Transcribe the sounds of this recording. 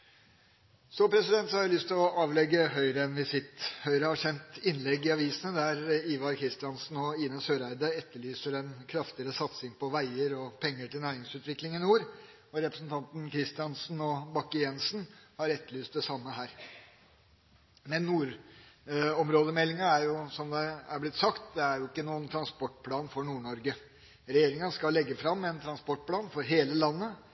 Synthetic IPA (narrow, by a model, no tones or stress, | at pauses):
sɔpʰɾɛsɪd̪ɛnt̪sɔhɑɾæɪlʏst̪ʰɪlɔʔɑːʋlɛɡːəhœʏɾəɛnʋɪsɪt̪hœʏɾəhɑʂɛnt̪ɪnlɛɡːɪɑʋiːsənəd̪æɾiːʋɑɾkʰɾɪst̪ɪɑnsn̩ɔiːnəsøːɾæɪd̪əɛt̪ːəɭyːsəɾɛnkʰɾɑft̪ɪəɾəsɑt̪sɪŋpɔʋæɪəɾɔpʰɛŋːəʈɪlnæːɾɪŋsʉːt̪ʋɪklɪŋɪnuːɾ | ɔɾɛpɾəsnt̪ʰɑnt̪n̩kʰɾɪst̪ɪɑnsn̩ɔbɑkːəjɛnsn̩hɑɾɛt̪ːəɭyːst̪d̪ɛsɑmːəɦæːɾ | mɛnːuːɾ | ɔmɾoːd̪əmɛlːɪŋɑæɾjʊsɔmd̪ɛæɾblɪt̪ːsɑkt̪d̪ɛæɾjʊɪkːənuːənt̪ʰɾɑnspɔʈ̚pʰlɑːnfɔɳuːɳɔɾɡə | ɾɛjeːɾɪŋɑnskɑlːɛɡːəfɾɑmːɛnt̪ʰɾɑnspɔʈ̚ːpʰlɑːnfɔɾɦeːləlɑnːə